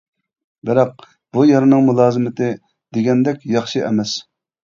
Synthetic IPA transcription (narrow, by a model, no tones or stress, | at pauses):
bɪɾɑq̚ | bujɑɾɨnɨŋmulˠɑːzɨmɪt̪ʰɨ | d̪eɡʲɛnd̪ɛkʲjɑχʃɨʔɛmɛs